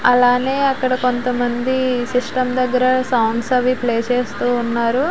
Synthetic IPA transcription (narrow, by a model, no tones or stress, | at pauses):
ɐlaːne̞ːɐkːɐɽɐko̞nt̪ɐmɐnd̪isisʈɐmd̪ɐɡːɐɾɐsɐwɳɖsɐʋipleːt͡ʃeːst̪uːnːaːɾu